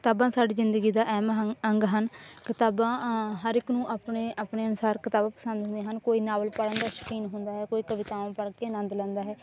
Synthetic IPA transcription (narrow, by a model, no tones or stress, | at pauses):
kɪt̪aːbãːsaːɖiːzɪnd̪əɡiːd̪aːʔɛːməŋɡɦənkɪt̪aːbãːɦəɾɪknũːʔaːpɳeːaːpɳeːənʊsaːɾkɪt̪aːbãːpə̥sə̃nd̪ɦʊ̃nd̪ẽːɦənkoːiːnaːʋəlpəɽə̃nd̪aːʃə̥kiːnɦʊ̃nd̪aːɦɛːkoːiːkəʋɪt̪aːʋãːpəɽkeːnə̃nd̪lɛ̃ːnd̪aːɦɛː